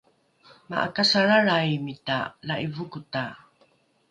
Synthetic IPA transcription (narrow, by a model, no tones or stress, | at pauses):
ma̰ʔa̰kasaɾaɭajmitalaʔivukuta